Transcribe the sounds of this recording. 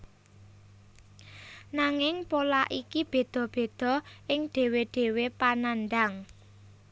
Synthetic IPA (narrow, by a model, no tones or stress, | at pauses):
naŋɪŋpolaʔikib̥e̤d̪̥ɔ̤b̥e̤d̪̥ɔ̤ʔɪŋɖ̪̥e̤weɖ̥e̤wepanand̪aŋ